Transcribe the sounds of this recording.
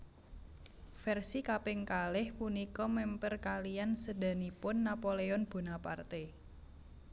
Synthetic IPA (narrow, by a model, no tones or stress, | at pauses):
fɛrsikapɪŋkalɪhpunikɔmɛmpərkalijansəda̤nipʊnːapoleɔnb̥o̤napart̪e